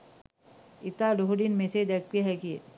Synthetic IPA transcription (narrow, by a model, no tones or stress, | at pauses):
ɪt̪aɾoɦɖinmẽsed̪eːk̚ːiɦɛki